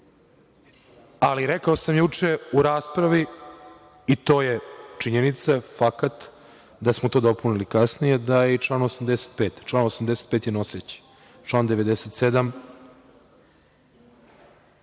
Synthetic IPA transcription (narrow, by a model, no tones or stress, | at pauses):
aliɾekaosamjut͡ʂe̞uɾaːspɾaʋi | it̪o̞ːjet͡ʂiɲenit̪safakat̪ | d̪asmot̪oːd̪o̞punilikasnijed̪ajeit͡ʂlˠaːnosamd̪ese̥t̪̚peːt̪t͡ʃlˠaːnosamd̪eset̪̚peːt̪jeno̞set͡ɕe̥ | t͡ʃlˠaːnd̪e̞ʋed̪eset̪sed̪am